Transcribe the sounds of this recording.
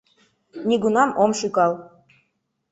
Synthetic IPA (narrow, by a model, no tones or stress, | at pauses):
nʲiɡunɑmomʃykɑlˠ